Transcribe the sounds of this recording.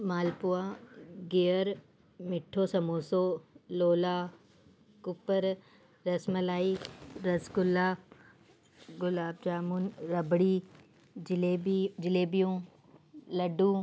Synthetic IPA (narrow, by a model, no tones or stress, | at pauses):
maːlpʊaɡejəɾ | mɪʈʰːoːsɐmoːsoloːlaː | kʊpəɾ | ɾɐsmɐlaːiɾɐskʊlːaː | ɡʊlaːb̚d͡ʒaːmunɾɐbɽiː | led͡ʒɪleːbijũː | lɐɖũ